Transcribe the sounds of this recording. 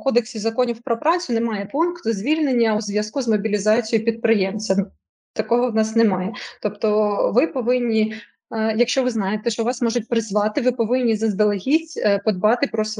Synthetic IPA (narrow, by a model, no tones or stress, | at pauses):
kɔd̪eksʲizɐkɔnʲiwpɾɔpɾɑt͡sʲʊnɛmɑjɛpunkt̪ʊzʲʋʲilʲnenʲːɐuzʲʋʲjɐskuzmɔbʲilʲizɑt͡sʲijʊpʲid̪̚pɾɪjɛmsʲɐ | t̪ɐkɔɦɔwnɑsnɛmɑjɛt̪ɔpt̪ɔʋɪpɔʋɪnʲːi | jɐkʃt͡ʃɔʋɪznɑjet̪ɛʃt͡ʃɔʋɑsmɔʒʊt̚ʲpɾɪzʋɑt̪ɪʋɪpɔʋɪnʲːizɐzd̪elˠeɦʲitʲpɔd̪bɑt̪ɪpɾɔs